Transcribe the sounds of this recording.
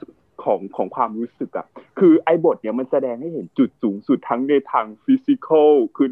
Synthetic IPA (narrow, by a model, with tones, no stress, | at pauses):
kʰɔː˩˦ŋkʰɔː˩˦ŋkʰwaː˧mluː˦˥sɯ˨˩k̚ʔa̰˨˩kʰɯː˧ʔa˧jbo˨˩t̪̚ni˧˩ɐma˧nsa˧dɛː˧ŋha˥˩jhe˩˦nt͡ɕu˨˩t̪̚suː˩˦ŋsu˨˩t̪ʰːa˦˥ŋne˧jt̪ʰaː˧ŋfi˧˦˥si˧kʰɤ˥˩˨kʰɯː˧